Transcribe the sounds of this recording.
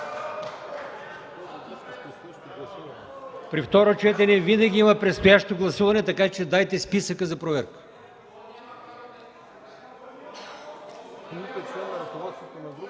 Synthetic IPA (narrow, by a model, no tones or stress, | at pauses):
sjaʃt̪ɡˠɐsuvɐnɛpɾift̪ɔɾot͡ʃɛt̪ɛnɛvinɐɡʲiimɐpɾɛt̪st̪ojaʃt̪oɡlˠɐsuvɐnɛt̪ɐkat͡ʃɛd̪ajt̪ɛspisəkəzɐpɾovɛɾkə̥ | it̪ɛt͡ʃɛnɐɾɐkolˠat͡ʃ̪it̪onɐd̪